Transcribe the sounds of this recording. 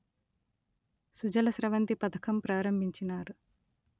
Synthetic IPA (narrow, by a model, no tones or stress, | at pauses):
sud͡ʒɐlɐsɾɐʋɐnt̪ipɐd̪ɐkʰɐmpɾaːɾɐmbʱiɲt͡ʃinaːɾu